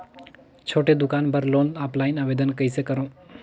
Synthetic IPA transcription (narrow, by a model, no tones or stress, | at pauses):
t͡ʃʰoːʈed̪ʊkaːnbʱəɾloːnaplaːinaʋeːd̪ənkəisekəɾõː